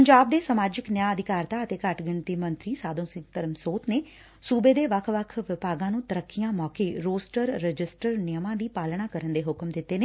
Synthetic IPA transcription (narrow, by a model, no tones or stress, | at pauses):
pəɲd͡ʒaːb̚d̪eːsəmaːd͡ʒɪknɪjaːəd̪ɪkaːɾt̪aːət̪eːkəʈɡɪɳt̪iːmənt̪ɾiːsaːd̪õːsɪ̃ŋt̪əɾəmsoːt̪neː | suːbeːd̪eːʋəkʰʋəkʰʋɪpaːɡãːnũːt̪əɾəkːɪjãːmɔːkeːɾoːsʈəɾːəd͡ʒɪsʈəɾnɪjəmãːd̪iːpaːlɳaːkəɾənd̪eːɦʊkmd̪ɪt̪ːeːneː